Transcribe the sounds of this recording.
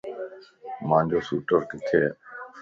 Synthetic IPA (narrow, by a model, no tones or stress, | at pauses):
mãːnd͡ʒoːsuːʈəɾkɪt̪ʰeː